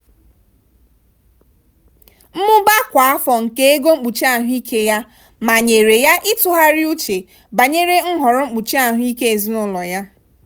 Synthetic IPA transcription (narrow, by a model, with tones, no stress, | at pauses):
m̩˦mʊ˦ba˦kʷa˨a˦fɔ˨ŋ̩˨ke˦e˦ɡo˦ŋ͡m̩˦k͡pu˨t͡ʃi˦a˨ɦʊ˦i˦kʰe˦ja˦ | ma˨ɲe˨ɾe˨ja˦ʔɪ˦tʊ˨ɦa˦ɾɪ˦u˦t͡ʃe˨ | ba˨ɲe˦ɾe˦ŋ̩˦ɦɔ˨ɾʊ˦ŋ͡m̩˦k͡pu˨t͡ʃi˦a˦˨ɦʊ˦i˦ke˦e˨zi˦nʊ˦lɔ˨ja˦